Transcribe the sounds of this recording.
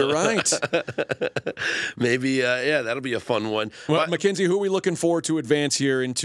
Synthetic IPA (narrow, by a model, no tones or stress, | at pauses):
ə˞ɹaɪt̚ | meɪbiʌjæðætl̩ˠbiɨfʌ̃nwʌ̃nwmɨkʰɪ̃nzihuə˞wilʊkɪ̃ŋfə˞tʰɨɨdvæ̃nshiɹɪ̃ntʰ